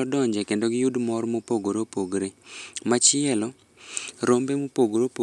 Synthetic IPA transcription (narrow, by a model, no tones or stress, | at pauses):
ɔdɔɲd͡ʒɛkendoɡɪjudmɔrmopoɡoɾopoɡɾemat͡ʃɪɛlɔ | ɾombemopoɡɾopo